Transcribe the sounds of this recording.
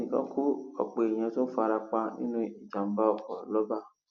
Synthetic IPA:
ĩ˨kɔ̰̃˦kʰu˦ɔ̰˨k͡pe˨ĩ˨ã˧˦to˦n̩˦fa˧ɾa˧k͡pa˧nḭ̃˦nũ˦i˨d͡ʒa˨m̩˦ba˦ɔ˨kɔ˨lɔ˦ba˦˨

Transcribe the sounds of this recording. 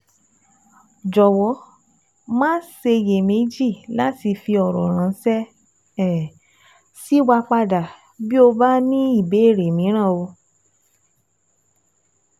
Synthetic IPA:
d͡ʒɔ˨wɔ˨˦ | mãː˦se˧je˨me˨˦d͡ʒi˦˨la˦ti˧fi˧ɔ˨ɾɔ˨ɾ̃ã˨˦sɛ˦ | ɛ˦˨ | si˨˦wa˧k͡pa˧da˨ | bi˦o˧ba˦nĩ˦i˦˨be˨˦e˦˨ɾe˨mĩ˨˦ɾ̃ã˦˨o˧

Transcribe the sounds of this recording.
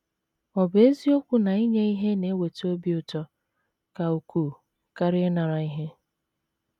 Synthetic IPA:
ɔ˨be˦zi˦o˦kʷʊ˦na˨i˦ɲe˦i˦ɦe˦ne˦we˨to˦bi˦ʊ˨tɔ˦ | ka˨u˨kuː˨ | ka˦ɾɪ˦na˨ɾa˨i˦ɦe˦

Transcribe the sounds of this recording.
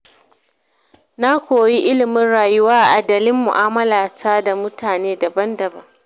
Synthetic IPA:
na˦kʷoː˨ji˦ʔɪ˦lɪ˨mɪ˦nɽaː˨jʊ˦waː˦ʔa˨ʔa˨dɐ˨lɪ˦mːʊ̰˨ʔaː˦mɐ˦laː˨tʰaː˦da˨mʊ˦taː˨neː˦dɐ˨bɐ˦ndɐ˨bɐ˦ŋ

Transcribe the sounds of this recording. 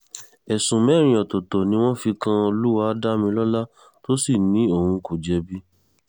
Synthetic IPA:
ɛ˨sũ˨mɛ˨˦ɾ̃ĩ˧ɔ˨to˨tɔ˨nĩ˧˦w̃ɔ̃˦fi˧kã˧o˧lu˦wa˧˦da˦mĩ˧lɔ˦la˦ | to˦si˦˨nĩ˨˦o˦˨hũ˧ko˨d͡ʒɛ˧bi˦

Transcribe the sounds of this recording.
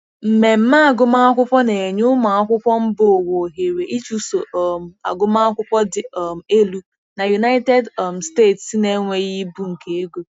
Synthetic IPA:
m̩˨me˨m̩˦ma˦a˨ɡʊ˦ma˦a˦kʷʊ˦pɔ˦ne˨ɲʊ˦ma˨a˦kʷʊ˦pʷɔ˦m̩˦bo˦˨o˨wo˨ɦe˨ɾe˨ʔi˦t͡ʃu˦so˨˦m̩˨a̰˨ɡʊ˦ma˦a˦kʷʊ˦pɔ˦dɪ˨˦˨m̩˨e˦lu˦ | na˨ju˨na˦ɪ˦te˦dm̩˨ste˦˨tsi˦ne˦ŋʷe˦ɣi˦bu˦ŋ̩˨ke˦e˦ɡʷu˦

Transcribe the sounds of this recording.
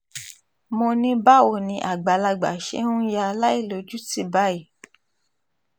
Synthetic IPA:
mo˧nĩ˧˦ba˦o˧˨nĩ˧ʔa˨ɡ͡ba˨la˧ɡ͡ba̰˨ʃḛ˦nũ˦ja˧la˦i˦˨lo˨˦d͡ʒu˦ti˧˦ba˨˦i˨

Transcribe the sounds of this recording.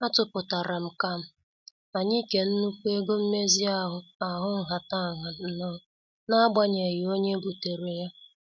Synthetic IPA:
a˦tʊ˨pʊ˨ta˨ɾa˨m̩˨ka˦m̩˨ | a˨ɲɪ˦ke˨n̩˦nu˦kʷu˦e˦ɡo˦m̩˦me˦zi˦a˦ɦʊ˨a˨ɦʊ˦ŋ̩˨ɦa˨ta˦˨ɦa˨n̩˦nɔ˦ | na˦ɡ͡ba˦ɲe˨ɣɪ˨o˦ɲe˦bu˨te˨ɾe˨ja˦

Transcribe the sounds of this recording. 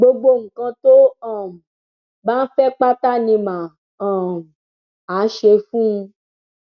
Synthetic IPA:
ɡ͡bo˦ɡ͡bo˦ŋ̩˨kɔ̃˦t̪o˦ɔ˨m˨ | ba˦fɛ˦k͡pa˦t̪a˦nĩ˨mã˨ | ɔ̃˨m | a˨˦ʃe˨fũ˦

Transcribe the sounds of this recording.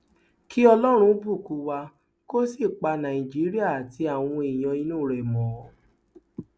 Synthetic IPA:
ki˦ɔ˧lɔ˦ɾ̃ũ˧˦bu˦˨ku˨˧˦wa˧ | ko˦si˦˨k͡pa˧nã˨i˨d͡ʒi˨˦ɾi˦a˦˨tʰi˧a˨w̃ɔ̃˧e˨j̃ɔ̃˧i˧˦nũ˦˨ɾɛ˨mɔ̃˨

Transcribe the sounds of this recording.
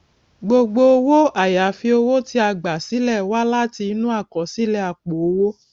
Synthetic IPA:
ɡ͡bo˧ɡ͡bo˧o˧wo˦a˨ja˨˦fi˧o˧wo˦ti˧a˧ɡ͡ba˨si˨˦lɛ˦˨wa˦la˦ti˧˦nũ˦a˦˨kɔ˨si˦lɛ˦a˨k͡po˨o˧wo˦

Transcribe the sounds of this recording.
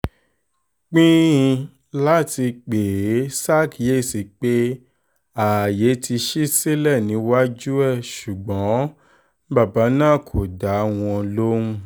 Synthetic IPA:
k͡pĩ˦ĩ˧ | la˦ti˧k͡pe˨˦sa˦˨kje˦˨si˨k͡pe˦ | a˨je˨˦tʰi˧ʃi˦si˦lɛ˦˨nĩ˨˦wa˦d͡ʒu˦ɛ˦˨ʃu˨ɡ͡bɔ̃˨˦ | ba˦˨ba˨˦nãː˦˨kʰo˨da˨˦w̃ɔ̃˧lo˦ũ˦˧

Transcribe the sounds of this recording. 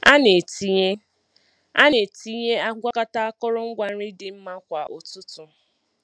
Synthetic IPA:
a˦ne˨ti˨ɲe˦ | a˦ne˨ti˦ɲe˦a˦ɡʷa˦ka˦ta˦a˦kɔ˦ɾɔ˦ŋ̩˦ɡʷa˨n̩˦ɾɪ˦dɪ˨m̩˦ma˦kʷa˨ʔʊ˨tʊ˦tʊ˨

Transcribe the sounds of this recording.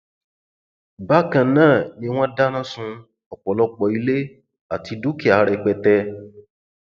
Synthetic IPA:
ba˦kã˧nãː˦˨nĩ˧w̃ɔ̃˦da˦nã˦sũ˧ | ɔ˨k͡pɔ˨lɔ˦k͡pɔ˧˨i˧le˦ | a˨ti˧du˦ki˦˨a˨˦ɾɛ˧k͡pɛ˧tɛ˧

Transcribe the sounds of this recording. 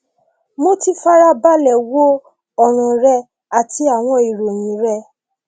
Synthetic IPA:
mo˦ti˦fa˦ɾa˦ba˦lɛ˨wo˦ | ɔ˨ɾ̃ũ˨ɾɛ˧ | a˨ti˨˦a˦˨w̃ɔ̃˧i˨ɾo˨j̃ĩ˨˦ɾɛ˦

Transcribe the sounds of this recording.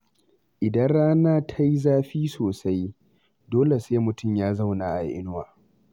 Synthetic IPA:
ʔɪ˨dɐ˦nɽaː˦naː˦tʰa˦ji˦zaː˦ɸiː˦soː˨sa˦j | doː˦le˨seː˦mʊ˨tʊ˦˨mjaː˦za˦˨wna˨ʔa˨jʔɪ̰˦nʊ˦waː˨

